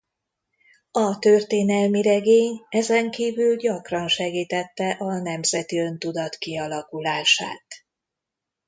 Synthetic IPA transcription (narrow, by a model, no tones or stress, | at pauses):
ɒt̪ø̞rt̪eːnɛlmiɾɛɡeːɲɛzɛŋkiːvylɟɒkrɒnʃɛɡiːt̪ɛt̪ːɛʔɒnɛmzɛt̪iø̞nt̪ud̪ɒt̪kiɒlɒkulaːʃa̰ːt̪